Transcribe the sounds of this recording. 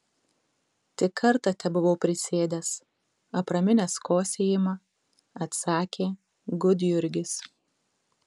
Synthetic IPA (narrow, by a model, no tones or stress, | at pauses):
t̪ʲɪkʰɐɾt̪ɐt̪ʲɛbʊʋoʊpʲɾʲɪsʲeːd̪ʲɛs | ɐpɾɐmʲɪnʲɛskoːsʲeːjɪmɐ | ɐt̪sɑːkʲeː | ɡʊd̪ʲjʊɾʲɡʲɪs